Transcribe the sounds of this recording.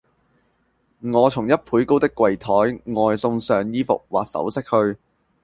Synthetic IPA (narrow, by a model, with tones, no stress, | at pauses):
ŋɔː˨˧t͡sʰʊ˨˩ŋjɐ˥t̚pʰuː˨˥jko˥wt̪ɪ˥kːwɐ˨jt̪ʰɔː˨˥jŋɔː˨jsʊ˧ŋsœː˨ŋjiː˥fʊ̰˨k̚waː˨k̚sɐ̰˨˥wsɪ˥k̚hɵ˧ɥ